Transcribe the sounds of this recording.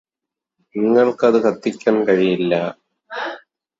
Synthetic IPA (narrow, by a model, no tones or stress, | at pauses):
niŋːɐɭkɨɐðɨkʰɐt̪ːikʲːaːnkɐɻijilːɐ